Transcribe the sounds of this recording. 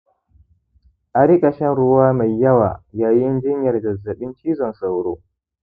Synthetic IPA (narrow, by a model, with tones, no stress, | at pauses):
ʔa˨ɾi˦kʼɐ˨ʃɛ˦nɽʊ˦waː˦ma˨jːɐ˦waː˨jaː˦jɪ˦nd͡ʒɪ˦ɲjɐ˨rdɐ˨zːɐ˨ɓɪ˦nt͡ʃiː˦zɔ˨nsa˨wɽoː˦